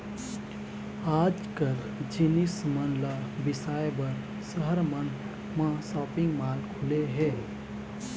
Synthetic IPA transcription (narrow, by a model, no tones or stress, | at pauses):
ad͡ʒkəɾ | d͡ʒinismənlabɪsaːjbəɾ | səɦəɾmən | mãsɔːpɪŋɡmaːlkʰuleɦɛ